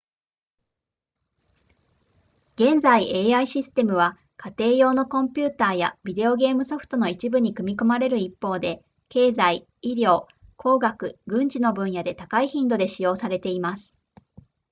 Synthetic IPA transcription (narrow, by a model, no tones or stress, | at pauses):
ɡ̥ẽ̞nzaiʔe̞ːaiɕisɨ̥t̪e̞mɯ̟β̞a | kat̪e̞ːjo̞ːno̞kõ̞mpʲɨːt̪aːja̰bʲid̪e̞o̞ɡe̞ːmɯ̟so̞ɸɯ̟̥t̪o̞no̞it͡ɕibɯ̟ɲ̟ikɯ̟mʲiko̞maɾe̞ɾɯ̟ipːo̞ːd̪e̞ | ke̞ːzai | iɾʲjo̞ː | kʰo̞ːɡakɯ̟ɡɯ̟̃ɲ̟d͡ʑino̞bɯ̟̃ɰ̃jad̪e̞t̪akaiçĩnd̪o̞d̪e̞ɕijo̞ːsaɾe̞t̪e̞imasɨ̥